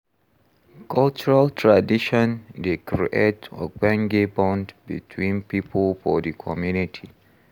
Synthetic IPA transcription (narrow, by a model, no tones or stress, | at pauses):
kʰɔlt͡ʃuɹaltʰɹadiʃɔ̃ndekɹḭʔetɔ̰ɡɛ̃ŋɡebɔ̃ndbḭtʰwĩnpipʰəlfɔdəkʰɔmjunitʰi